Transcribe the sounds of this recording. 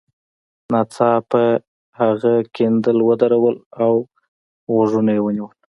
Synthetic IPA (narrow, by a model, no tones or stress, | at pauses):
nɑt͡sɑpə | haɣakend̪əlwəd̪aɾawəlaw | ɣoʐunajewəniwəl